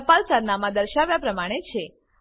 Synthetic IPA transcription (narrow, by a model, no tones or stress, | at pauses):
palsəɾnamãd̪əɾʃaʋjapɾəmaɽ̃et͡ʃʰe